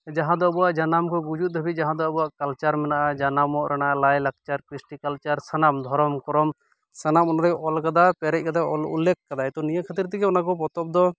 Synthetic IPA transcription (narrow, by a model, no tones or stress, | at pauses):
d͡ʒaɦãd̪ɔabɔwaʔd͡ʒanamkʰɔɡud͡ʒut̪̚ˀbʱəbid͡ʒaɦãd̪ɔabuwaʔkalt͡ʃaɾmɛnaʔad͡ʒanamɔʔɾɛɽ̃aʔalajlak̚t͡ʃaɾkɾisʈikalt͡ʃaɾsanamd̪ʱɔɾɔmkɔɾɔm | sanamɔnaɾɔʔɔlkad̪apɛɾɛc̚kad̪aɔ̰lṵlːekʰkad̪ajt̪ɔnijəkʰat̪iɾt̪iɡɛɔnakɔpɔt̪ɔp̚d̪ɔ